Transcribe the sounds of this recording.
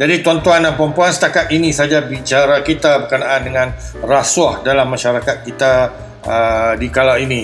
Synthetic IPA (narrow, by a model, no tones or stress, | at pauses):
d͡ʒadit̪uant̪uananpɾəmpuansə̥t̪akat̪̚inĩsad͡ʒabit͡ʃaɾakit̪abərkənaandəŋãnrasuahdalamːaʃaɾakat̪̚kit̪a | ədikalaini